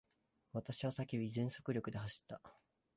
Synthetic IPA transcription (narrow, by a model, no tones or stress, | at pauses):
βat̪aɕiβ̞asakʲiizẽ̞ɰ̃so̞̥kɯ̟ɾʲo̞kɯ̟d̪e̞haɕi̥t̪ːa